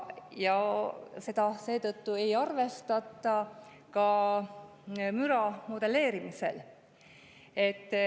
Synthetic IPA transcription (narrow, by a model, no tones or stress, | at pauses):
jɑse̞d̪̥ɑse̞ːt̪ɤt̪ːue̞jɑrve̞st̪ɑt̪ːˑɑ | kɑ | myɾɑmo̞d̪̥e̞le̞ːɾimise̞̰l | e̞t̪ːˑ